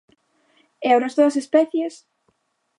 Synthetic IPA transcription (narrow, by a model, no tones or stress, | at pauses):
ɛawɾɐzðoɐsespɛθjes